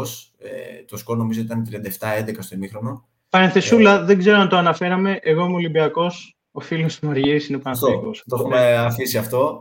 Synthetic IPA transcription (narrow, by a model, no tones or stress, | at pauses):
s | ḛt̪oskono̞mizo̞it̪ɐnt̪ɾiɐnd̪ɐeft̪ɐend̪ekɐst̪omixɾo̞no̞ | pɐɾenθe̞sulɐðeɡze̞ɾoɐnt̪oɐnɐfe̞ɾɐme̞ʔeɣo̞muolimbiɐko̞s | o̞filost̪imɐɾʝiɾisinepɐnɐθikost̪oumeɐfisiɐft̪o̞